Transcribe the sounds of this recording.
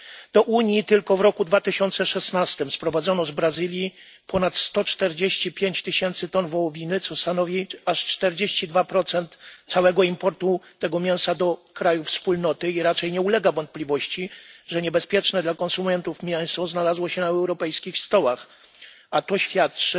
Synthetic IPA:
d̪̥ɔʔuɲjit̪ɘlkɔvɾɔkud̪vat̪ɘɕɔnt̪sɛʂɛsnast̪ɘmspɾɔvad̪zɔnɔzbɾazɘlʲji | pʰɔnat̪st̪ɔt͡ʂt̪ɛɾd͡ʑeɕt͡ɕipʲjeɲt͡ɕt̪ɘɕɛnt̪sɘt̪ɔnvɔwɔvʲinɘt̪sɔst̪anɔvʲiaʂt͡ʂt̪ɛɾd͡ʑeɕt͡ɕid̪vapɾɔt̪sɛnt̪sawɛɡɔimpɔɾt̪ut̪ɛɡɔmʲjɛ̃w̃sad̪ɔkɾajufspulnɔt̪ɘiɾat͡ʂɛjɲɛulɛɡavɔnt̪̚plʲivɔɕt͡ɕiʐɛɲɛbɛspʲjɛt͡ʂnɛd̪lakɔ̃nsumʲɛnt̪ufmʲjɛw̃sɔznalazwɔɕɛnaɛwɾɔpɛjskʲixst̪ɔwax | at̪ɔɕfʲjat̪̚t͡ʂɘ

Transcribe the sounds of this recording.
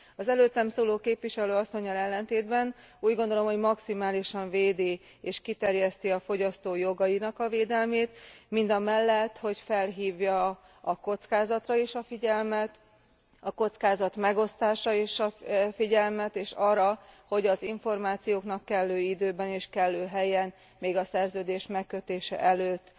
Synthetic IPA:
ɒzɛløːt̪ːɛmsoːloːkeːpʋiʃɛløːɒsːo̞ɲːɒlɛlːɛnt̪eːd̪bɛn | uːɟɡond̪o̞lo̞mho̞ɟmɒksimaːliʃɒɱveːd̪i | eːʃkit̪ɛrjɛst̪iɒfo̞ɟɒst̪oːjo̞ɡɒjinɒkɒveːd̪ɛlmeːt̪mind̪ɒmɛlːɛt̪ːho̞cfɛlɦiːvjɒ | ɒko̞t̪skaːzɒt̪rɒeʃɒfiɟɛlmɛt̪ | ɒko̞t̪skaːzɒt̪mɛɡo̞st̪aːʃɒeːʃɒfiɟɛlmɛt̪eːʃɒːɾɒho̞ɟɒziɱfo̞rmaːt̪sijoːknɒkːɛlːøːid̪øːbɛniːʃkɛlːøːɦɛjɛn | meːɡɒsɛrzøːd̪eːʃmɛkːøt̪eːʃɛ̰ʔɛløːt̪ː

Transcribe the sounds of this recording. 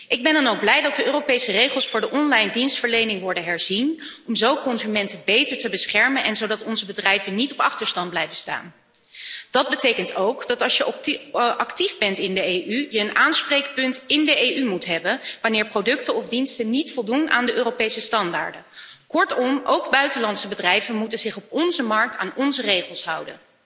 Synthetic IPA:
ʔɪɡ̚bɛndɑnowɡ̚blɛjdɑt̚dəʔøːrowpejsərejχəlˠsfʊːɹdəʔɔnlɑjndinstfəɹlejnɪŋʋɔɹdəɦɛɹzinʔɔmzowkɔnzymɛntəbejtəɹtəbəsχɛɹmənʔɛnzowdɑtɔnzəbədrɛjvənːitɔpɑχtəɹstɑnd̚blɛjvənsta̰ːn | dɑd̚bətejkəntowkd̥ɑtɑlˠsjəʔɑktivbɛntɪndəejʔyjəːnʔaːnsprejk̚pɵntɪndəejʔymutɦɛbənʋanɪːɹprowdɵktəɔvdinstənitfɔlˠdunʔa̰ːndəʔøːrowpejsəstɑnda̰ːɹdəkɔɹtɔmʔo̰wɡbœɥtəlɑntsəbədrɛjvənmutənzɪχɔpɔnzəmɑɹk̚ta̰ːnɔnzərejχəlˠsɦɑwdə̰n

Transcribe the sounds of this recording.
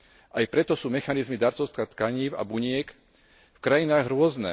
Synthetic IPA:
ʔajpɾɛt̪ɔsuːmɛxanizmid̪aɾt͡sɔʊst̪kat̪kaɲiːʊa̰buɲɪɛk | fkɾajinaːɣɾʊɔznɛ̰

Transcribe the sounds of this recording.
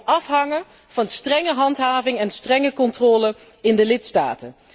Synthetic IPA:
ʔɑfɦɑŋən | v̥ɑnstrɛŋəɦɑntɦaːvɪŋɛnstrɛŋəkɔntrɔːlə | ɪndəlɪtsta̰ːtə

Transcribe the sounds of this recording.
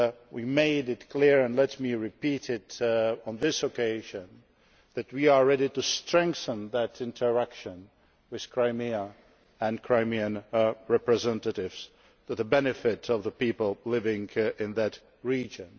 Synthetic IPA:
wimeɪdɨtkʰl̥ɪɹɨ̃nlɛt̚miɹɨpiɾɪɾə̃n̩ðɪsəkʰeɪʒɨ̃n | ðɨt̚wiə˞ɹɛɾiɾɨstɹ̥ɛ̃ŋkθə̃nðɨɾɪ̃ntʰə˞ækʃə̃n | wɨð̥kʰɹ̥aɪmiə | ɨ̃nkʰɹ̥aɪmiɨ̃nɹɛpɹɨzɛ̃ntɨɾɪvz̥ | tɨðəbɛnɨfɪɾʌvðəpipəl̩ˠlɪvɪ̃ŋɪ̃nðɨt | ɹid͡ʒɨ̃n

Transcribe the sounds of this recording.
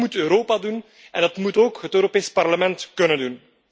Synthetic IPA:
mutøːɾoːpadun | ɛndɑtmutoːkɦətøːɾopeːspɑrləmɛntkɵnəndun

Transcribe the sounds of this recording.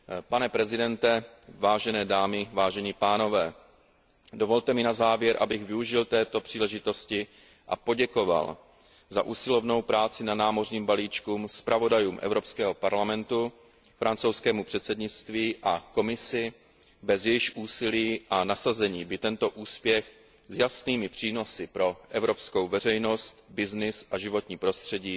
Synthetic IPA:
panɛpɾɛzɪdɛnt̪ɛvaːʒɛnɛːdaːmɪvaːʒɛɲiːpaːno̞vɛː | do̞vo̞lt̪ɛmɪnazaːvjɛɾʔa̰bɪɣvɪuʒɪlt̪ɛːt̪o̞pr̝̥iːlɛʒɪt̪o̞scɪ | ʔapo̞ɟɛko̞va̰l | za̰ʔuːsɪlo̞vno̞wpɾaːt͡sɪnanaːmo̞rɲiːmbaliːt͡ʃkuːmspɾʔavo̞dajuːmʔɛ̰vɾo̞pskɛːɦo̞paɾlamɛnt̪u | fɾant͡sowskɛːmupr̝̥ɛt̪sɛdɲɪt͡st̪viːʔako̞mɪsɪ | bɛzjɛjɪxʔuːsɪliːʔanasazɛɲiːbɪt̪ɛnt̪o̞ʔuːspjɛx | zjasniːmɪpr̝̥iːno̞sɪpɾo̞ʔɛvɾo̞psko̞wvɛrɛjno̞st̪bɪznɪsʔaʒɪvo̞t̪ɲiːpɾo̞st̪r̝̥ɛɟiː

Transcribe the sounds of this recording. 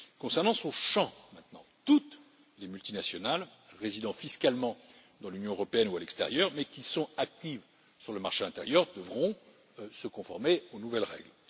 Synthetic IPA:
kɔ̃sɛʁnɑ̃sɔ̃ʃɑ̃mɛ̃t̪nɑ̃t̪ut̪ | lemylt̪inasjɔnalʁezid̪ɑ̃fiskalmɑ̃ | d̪ɑ̃lynjɔ̃øʁɔpeɛnualɛkst̪ɛ̰ʁjœʁmɛkʲisɔ̃ak̚t̪iv | syʁləmaʁʃeɛ̃t̪ḛʁjœʁd̪əvʁɔ̃ | səkɔ̃fɔʁmeonuvɛlʁɛ̰ɡl

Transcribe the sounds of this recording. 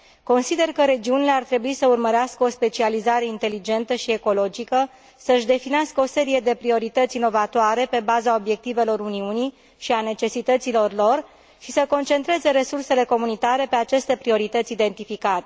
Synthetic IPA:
ko̞nsid̪e̞rkəɾe̞d͡ʒiunile̞art̪ɾe̞buisəurməɾeaskəo̞spe̞t͡ʃializaɾe̞int̪e̞lid͡ʒe̞nt̪əʃie̞ko̞lo̞d͡ʒikə | səɨʃd̪e̞fineaskəo̞se̞ɾije̞d̪e̞pɾio̞ɾit̪ət̪sino̞vat̪oaɾe̞pe̞bazao̞bje̞k̚t̪ive̞lo̞ɾuniuni | ʃiane̞t͡ʃe̞sit̪ət̪silo̞rlo̞r | ʃisəko̞nt͡ʃe̞nt̪ɾe̞ze̞ɾe̞surse̞le̞ko̞munit̪aɾe̞pe̞at͡ʃe̞st̪e̞pɾio̞ɾit̪ət̪sʲid̪e̞nt̪ifikat̪e

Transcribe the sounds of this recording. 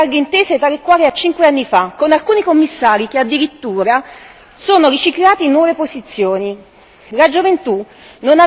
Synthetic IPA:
arɡeint̪eːset̪alekːwaːɾiat͡ʃːiŋkweanːifakonalkuːnikomːisːaːɾikead̪ːiɾit̪ːuːɾa | soːnoɾit͡ʃiklaːt̪inwɔːvepozit̪sːjoːni | lad͡ʒovent̪u | nona

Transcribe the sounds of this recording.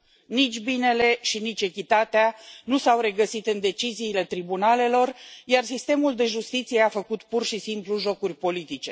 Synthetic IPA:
nit͡ʃʲbine̞le̞ʃinit͡ʃʲe̞kʲit̪at̪eanusawɾe̞ɡəsit̪ɨnd̪e̞t͡ʃiziːle̞t̪ɾibunale̞lo̞rjarsist̪e̞muld̪e̞ʒust̪it̪sijeafəkut̪purʃisimpluʒo̞kurʲpo̞lit̪it͡ʃe̞

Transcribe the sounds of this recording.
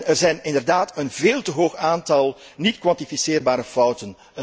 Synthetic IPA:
nərzɛjnɪndərdaːtənveːlˠtəɦoːxaːntɑlˠnitkwɑntifisɪːrbaːɾəfʌwtən

